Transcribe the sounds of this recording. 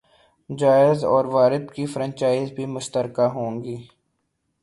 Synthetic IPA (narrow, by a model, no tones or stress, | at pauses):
d͡ʒaːɪzɔːɾʋaːɾɪd̪kifɾə̃nt͡ʃaːɪzbʱimʊʃt̪əɾkaɦõːŋɡiː